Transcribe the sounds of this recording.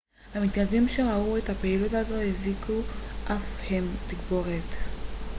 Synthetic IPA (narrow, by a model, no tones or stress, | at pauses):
hamit̪nadimʃe̞ʁauetapeilutazo̞hezikuʔafhemt̪iɡbo̞ʁet̪